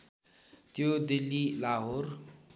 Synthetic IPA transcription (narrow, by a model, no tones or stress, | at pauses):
t̪jod̪ilːilaːɦoɾ